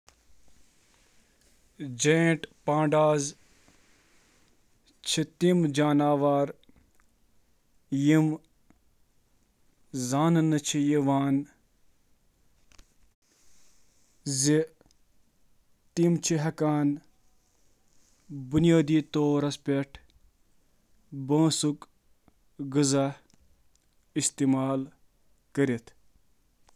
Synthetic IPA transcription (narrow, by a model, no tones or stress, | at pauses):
d͡ʒẽːʈpãːɳɖaːz | t͡ʃʰit̪imd͡ʒaːnaːʋaːɾ | jim | zaːnɨnɨt͡ʃʰijiʋaːn | zi | t̪imt͡ʃʰiɦɐkaːn | bunjaːd̪iːt̪oːɾɐspʲeʈʰ | bɐ̃ːsuk | ɡɨza | ist̪imaːl | kəɾit̪ʰ